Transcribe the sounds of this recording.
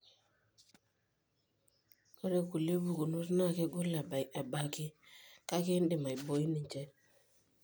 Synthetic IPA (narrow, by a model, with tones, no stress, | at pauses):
kɔ˦ɾe˦ku˨le˦bu˨ku˨nu˦sna˦˨ke˦ɡʊ˦la˨ba˨jʔa˨ba˦ki˦ka˦ki˦ndɪ˨ma˨i˨bo˨i˦ni˨t͡ʃɛ˦